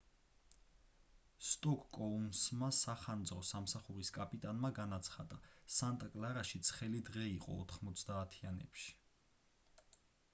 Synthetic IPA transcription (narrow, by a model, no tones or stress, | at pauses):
st̪ʼɔkʼkʼɔumsmasaχand̪zɾɔsamsaχuɾiskʼapʼit̪ʼanmaɡanat̪sʰχad̪asant̪ʼakʼlaɾaʃit̪sʰχɛlid̪ʁɛiqʼɔ̰ːt̪ʰχmɔt̪sʰd̪aːt̪ʰianɛpʃi̥